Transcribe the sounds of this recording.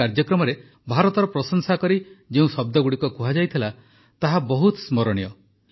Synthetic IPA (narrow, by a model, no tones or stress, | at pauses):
aɾd͡ʒjɔkɾɔmɔɾe | bʱaɾɔt̪ɔɾɔpɾɔsɔŋsakɔɾid͡ʒeũsɔb̚d̪ɔɡuɽikɔkuɦad͡ʒajt̪ʰila | t̪aɦabɔɦut̪smɔɾɔɽ̃ijɔ